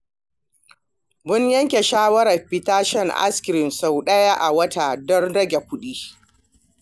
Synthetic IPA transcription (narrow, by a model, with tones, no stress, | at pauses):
bʊ˦ɲjɐ˦ŋkʲe˨ʃaː˦wɐ˦ɾɐ˨ɸɪ˦taː˦ʃɛ˦˨ŋʔa̰˦skʲɪ˨ɾɪ˨nsa˨wɗɐ˦ja˦ʔa˨wɐ˦ta˨dɔ˦nɽɐ˦ɡʲe˨kʷʊ˦ɗiː˦